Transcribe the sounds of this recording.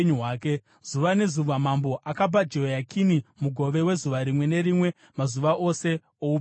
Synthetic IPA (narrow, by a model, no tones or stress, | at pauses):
ɲɦaːke | z̥uʋane̞zuʋamambo̞ʔakabad͡ʒo̞jakʰinimuɡʱo̞ʋe̞we̞zuʋaɾimwe̞ne̞ɾimwe̞ | mazuʋaʔo̞se̞ | ou